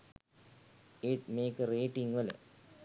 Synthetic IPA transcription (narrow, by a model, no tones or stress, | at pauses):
iʈmeːkəɾeːʈĩŋʋɐl̰